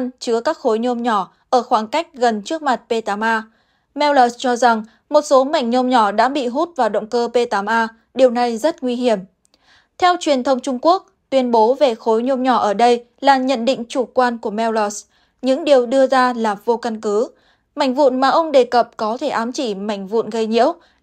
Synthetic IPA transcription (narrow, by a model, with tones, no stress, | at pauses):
nt͡ɕɨ˨˦əkaː˦˥k̚xo˨˦jɲo˧mɲɔ˧˩ | ʔəː˧˩xwaː˨˩ŋka˦˥jk̟̚ɣə˨˩nt͡ɕɨ˦˥ək̚ma˨˩t̚pe˧t̪aː˨˦mʔaː˧ | mɛ˧wlɔ˨˩st͡ɕɔ˧za˨˩ŋ | mo˨˩t̚so˨˦ma˨˧˩jŋ̟ɲo˧mɲɔ˧˩ɗa̰ː˧˥ɓḭ˧˨ɦu˦˥t̚vaː˨˩wɗə̰˧˨wŋ͡mkəː˧pe˧t̪aː˨˦mʔaː˧ | ɗi˨˩əwna˨˩jzə˦˥t̚ŋwi˧hi˧˩əm | t̪ʰɛ˧wt͡ɕwi˨˩ənt̪ʰə˧wŋ͡mt͡ɕʊ˧ŋ͡mku˦˥ək̚t̪wi˧ənɓo˨˦ve˨˩xo˨˦jɲo˧mɲɔ˧˩ʔəː˧˩ɗə˧j | laː˨˩ɲə̰˧˨nɗḭ̈˧˨ŋ̟t͡ɕu˧˩kwaː˧nku˧˩əmɛ˧wlɔ˨˦˩s | ɲɨ̰˧˥ŋɗi˨˩əwɗɨ˧əzaː˧laː˨˩vo˧ka˧nkɨ˨˦ | ma˧˩jŋ̟vṵ˧˨nmaː˨˩ʔə˧wŋ͡mɗe˨˩kə˨˩p̚kɔ˨˦t̪ʰe˧˩ʔaː˨˦mt͡ɕi˧˩ma˧˩jŋ̟vṵ˧˨nɣə˧jɲḭ˧˥əw